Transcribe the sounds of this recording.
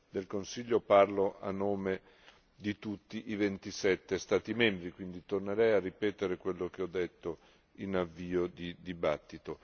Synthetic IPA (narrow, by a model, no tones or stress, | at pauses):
d̪elkonsiʎːoparloʔa̰nːoːme | d̪it̪ut̪ːiʔivent̪isɛt̪ːest̪aːt̪imɛmbɾikwind̪it̪orneɾɛjarːipɛːt̪eɾekwelːok̟eɔd̪ːet̪ːo | inavːiːod̪id̪ibat̪ːit̪o